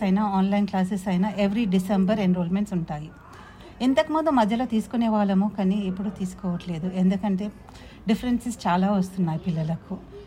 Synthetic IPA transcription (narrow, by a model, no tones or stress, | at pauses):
ɐjnaaːnlɐjnklaːs̬esɐjnɐʔe̞ʋɾiɖisembɐɾeɳɖɾoːlme̞ɳʈsuɳʈaːji | int̪ɐkimɔːd̪ɐmːɐd̪ʱjɐloːt̪iːsu̥kuneːʋaːɭːɐmukɐniepːuɽut̪iːsu̥kɔːʋɐʈle̞ːd̪ue̞nd̪ukɐɳʈe̞ː | ɖipʰɐɾensist͡ʃaːlaːʋɐst̪unːaːjipilːɐlɐku